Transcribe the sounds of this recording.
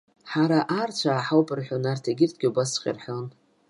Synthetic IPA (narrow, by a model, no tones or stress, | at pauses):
ħaɾaʔart͡ʃʷʰaːħawpʼɨrħʷᶣonartʰaɡʲɪrtʰɡʲɪubasqʲʼɪ̰rħon